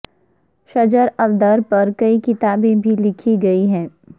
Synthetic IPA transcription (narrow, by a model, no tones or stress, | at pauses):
ʃɐd͡ʒəɾɐʋd̪əɾpɐɾkɐikɪt̪aːbẽbʱilɪkʰiɡɐiɦɛ̃ː